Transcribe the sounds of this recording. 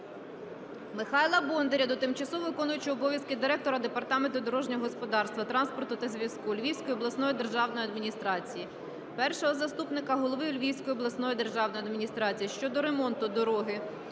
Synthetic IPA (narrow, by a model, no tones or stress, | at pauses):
mɪxɑjlˠɐbɔnd̪eɾʲɐd̪ɔt̪ɪmt͡ʃɐsuʋɪkɔnʊjʊt͡ʃɪɔbɔʋʲjɐskɪd̪ɪɾɛk̚t̪ɔɾɐd̪epɐrt̪ɑment̪ʊd̪ɔɾɔʒnʲɔɦɔspɔd̪ɑrst̪ʋɐt̪ɾɑnspɔrt̪ʊt̪ɐzʲʋʲjɐskulʲʋʲiwsʲkɔjʊɔblˠɐsnɔjid̪e̞rʒɑwnɔjɐd̪mʲinʲist̪ɾɑt͡sʲiji | pɛrʃɔɦɔzɐst̪upnɪkɐɦɔlˠɔʋɪlʲʋʲiwsʲkɔjiɔblˠɐsnɔjid̪e̞rʒɑwnɔjɐd̪mʲinʲist̪ɾɑt͡sʲijiʃt͡ʃɔd̪ɔɾe̞mɔnt̪ʊd̪ɔɾɔɦɪ